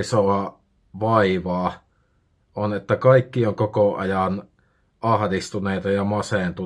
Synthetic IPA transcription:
isoɑ | ʋɑiʋɑː | ʔonet̪ːækɑikːioŋkokoʔɑ̰jɑn | ʔɑhdist̪uneˑit̪ɑjɑmɑsent̪u

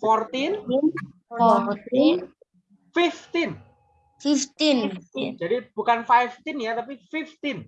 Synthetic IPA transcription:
fɔrt̪inin | fɔrt̪in | fift̪ɪn | fift̪innd͡ʒadib̥ukanfajft̪ɪnjat̪ap̬ifift̪ɪn

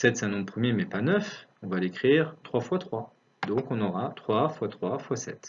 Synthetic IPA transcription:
sɛt̪sɛ̃nɔ̃pχəmjemɛpanœfɔ̃valekχiːʁt̪χwafwat̪χwa | d̪ɔ̃kɔ̃nɔʁat̪χwafwat̪χwafwasɛt̪

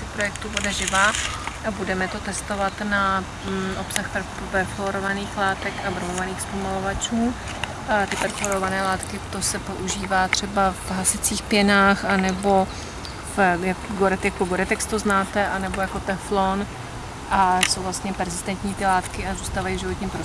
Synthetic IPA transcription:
spɾojɛk̚t̪ubodɛʒɪvaːabudɛmɛt̪o̞t̪ɛst̪o̞vat̪na | ʔo̞psaxpɛɾ | pɛɾfloɾovaniːxlaːt̪ɛkavɾmovaniːxspomalo̞vat͡ʃuː | t̪ɪpɛɾfloɾovanɛːlaːt̪kɪt̪o̞sɛpo̞ʔuʒiːvaːt̪r̥ɛbafɦasɪt͡siːxpjɛnaːxʔanɛbo̞ | fjaɡoɾɛt̪jakuɡoɾɛt̪ɛkst̪oznaːt̪ɛʔanɛbo̞jako̞t̪ɛflon | ʔaso̞wvlast̪ɲɛpɛɾzɪst̪ɛnt̪ɲiːt̪ɪlaːt̪kɪazuːst̪aːvajivʒɪvot̪ɲiːmpɾo

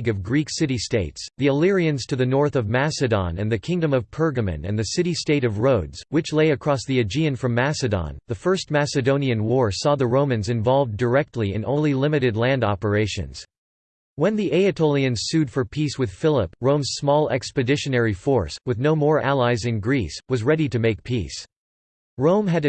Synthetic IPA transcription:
ɡʌvɡɹiksɪɾisteɪtsðiəlɪɹiɨ̃nz̥tʰɨðɨnɔɹθʌvmæsɨdɑ̰̃nɨ̰̃nðɨkʰɪ̃ŋdɨ̃mʌv̥pʰɜ˞ɡɨmɨ̰̃nɨ̰̃nðɨsɪɾisteɪɾʌvɹoʊdz̥wɨt͡ʃleɪɨkʰɹ̥ɔsðiɨd͡ʒiɨ̃nfɹʌ̃mːæsɨdɑ̰̃nðɨfɜ˞st̚mæsɨdõʊ̃niɨ̃nwɔɹsɔðɨɹõʊ̃mɨ̃nzɨ̃ɱvɑlˠvdə˞ɛk̚tʰˡliɨ̰̃nʔõ̰ʊ̃lnlˠilɪ̃mɨɾɨdˡlæ̃ndɑpə˞eɪʃɨ̰̃nz̥ | wə̃nðiʔeɪɨtʰoʊlˠiɨ̃nz̥sʉd̥fə˞pʰiswɨð̥fɪlˠəpɹõʊ̃mz̥smɔlˠɛ̰kspɨdɪʃɨnɛɹifɔɹswɨðnoʊmɔɹʔælˠaɪzɨ̃nɡɹiswʌzɹɛɾiɾɨmeɪk̚pʰis | ɹõʊ̃mɨɾ

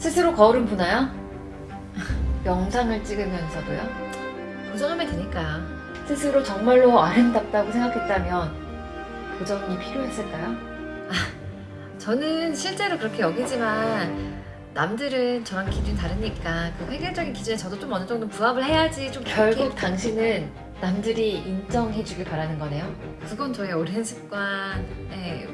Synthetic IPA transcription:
sʰɯsʰɯɾokʌuɾɯnpunajo | jʌŋsʰaŋɯɭt͡ɕ͈iɡɯmjʌnsʰʌdujo | kusʰʌŋɯmeteɲik͈a | sʰɯsʰɯɾot͡ɕʌŋmaɭːoaɾɯndat̚t͈aɡosʰe̞ŋɡakʰet̚t͈amjʌn | kɯd͡ʑʌŋmipʰiɾjoɦes͈ʰʌk͈ajo | a | t͡ɕʌnɯnɕʰiɭt͡ɕ͈e̞ɾokɯɾʌkʰe̞jʌɡid͡ʑimanː | amdɯɾɯnt͡ɕʌɾaŋkʰid͡ʑunt̬aɾɯɲik͈akɯɸwe̞ɡjʌɭd͡ʑ͈ʌɡinkid͡ʑunet͡ɕʌdot͡ɕ͈omʌnɯd͡ʑʌŋdopuabɯɭhe̞jad͡ʑit͡ɕ͈omkjʌɭɡuk̚t͈aŋɕʰinɯnː | amdɯɾiːnd͡ʑʌŋɦe̞d͡ʑuɡepaɾanɯnɡʌne̞jo | kɯɡʌnt͡ɕʌeoɾianɕʰi̥p̚k͈wanje

